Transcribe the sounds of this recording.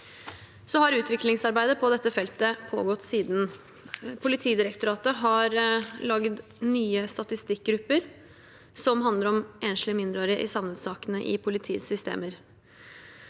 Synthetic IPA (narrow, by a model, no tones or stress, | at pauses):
sɔhɑɾʉːt̪ʋɪklɪŋsɑɾbæɪd̪əpʰɔd̪ɛt̪ːəfɛlt̪əpʰo̰ːɡɔt̪ːsiːd̪n̩ | pʰʊlɪt̪ʰiːd̪ɪɾəkt̪ʊɾɑːt̪əɦɑɾlɑɡd̪ | nyːəst̪ɑt̪ɪst̪ɪk̚ɡɾʉpːəɾ | sɔmɦɑnd̪əɾɔmʔeːnʂlɪmɪnd̪ɾoːɾɪəʔɪ̰sɑʋnəd̪sɑːkənəʔɪ̰pʰʊlɪt̪ʰiːsʏst̪ḛːməɾ